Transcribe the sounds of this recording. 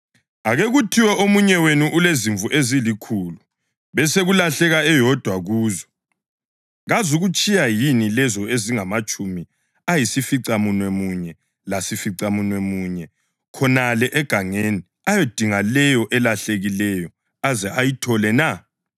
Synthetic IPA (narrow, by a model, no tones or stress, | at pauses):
aɣeɣutʰiwɛʔomuɲɛwenuʔuleziɱvuʔezilikʰulu | βɛseɣulaɬɛɣaɛjɔd̥ʱwaɣuːzɔ | ɣazuɣut͡ʃʼijajinilɛzɔeziŋamat͡ʃʼumi | ajisifiǀamunwemuɲɛ | lasifiǀamunwemuɲɛ | kʰɔnalɛʔɛɡ̥ʱaŋeni | ajed̥ʱiŋalɛjɔʔɛlaɬeɣilɛjɔ | azɛʔajitʰɔlɛna